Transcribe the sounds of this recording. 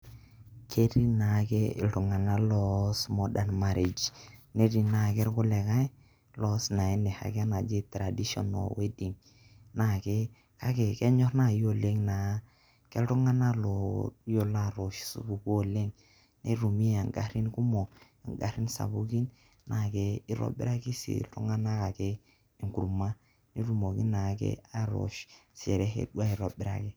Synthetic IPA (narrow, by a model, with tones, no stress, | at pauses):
kʰe˦ɾi˦na˨kɛ̰˦˨tu˨ŋa˨na˦lɔ˦˨smɔ˦da˨nma˨ɾi˨d͡ʒne˦ɾi˨na˨kɛ˦ɾkʊ˦lɛ˨ka˦j | lɔ˦sna˨ɛ˦nɛ˨ha̰˨kɛ˦na˨d͡ʒe˦tɾa˨di˦ʃɔ̰˨nɔ̰˨we˦di˨ŋ | na˨kɛ˦ | ka˦kɛ˨kɛ˦ɲɔ˦ɾna˨jo˦le˦ŋna˨˦ | kɛ˦ɾu˦ŋa˦na˦lo˨jo˦la˦ɾo˨ʃsṵ˨˦bu˨ko˦le˦ŋ | ne˦ɾu˨mi˦a˨ŋɡa̰˦ɾi˦nku˦mo˨ | a˨ŋɡa̰˦ɾi˦nsa̰˨bu˦ki˦n | na˨ke˦i˦ɾo̰˦bḭ˦ɾa˦ki˦sḭ˨lɾṵ˦ŋa˦na˦ka˨kɛ˦ | i˨ŋku˨ɾma˦ | ne˦ɾu˦mo˨ki˦na˨kɛ̰˦a˦ɾo̰˨ʃsḛ˨ɾɛ˦hḛ˦dwa˦i˨ɾo˨bɪ˦ɾa̰˨ke˦